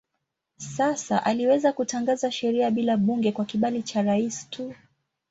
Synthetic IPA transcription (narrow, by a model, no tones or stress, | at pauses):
sasaʔaliwɛzakutaŋɡazaʃɛɾiaɓilaɓuŋɡɛkwakiɓalit͡ʃaɾaisi̥tʰu